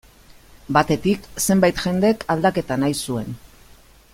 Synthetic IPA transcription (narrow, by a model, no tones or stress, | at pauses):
bat̪e̞t̪ikse̞mbajt̪xe̞nd̪ekald̪ake̞t̪anajsue̞n